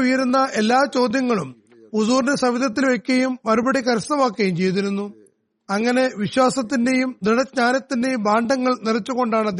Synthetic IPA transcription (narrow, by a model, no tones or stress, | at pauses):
ujɐɾunːɐʔe̞lːaːt͡ɕo̞ːd̪jɐŋːɐɭum | usuːrnesɐʋid̪ɐt̪̬ːilʋekʲːɐjummɐɾubɐɽikɐɾɐsnɐʋaːkːɐjumt͡ɕe̞jt̪̬iɾunːu | ɐŋːɐne̞ʋiɕwaːsɐt̪ːinde̞jumd̪iɽɐd͡ʑɲaːnɐt̪ːinde̞jumbaːɳɖʱɐŋːɐɭnirɐt͡ɕːuɣo̞ɳɖaːɳɐd̪j